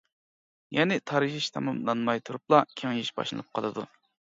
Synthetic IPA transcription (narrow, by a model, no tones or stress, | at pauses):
jɛnɪt̪ʰɑɾɨʒiʃt̪ʰɑmɑmlˠɑnmɑjt̪ʰuɾup̚lˠɑkʲʰeŋjiʃbɑ̰ʃlɨ̰nɨp̚qʰəlˠɨd̪ṵ